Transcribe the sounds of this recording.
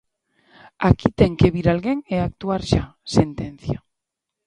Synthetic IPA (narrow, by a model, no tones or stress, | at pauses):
akit̪eŋkeβiɾalɣeŋeak̚t̪uaɾʃasent̪en̟θja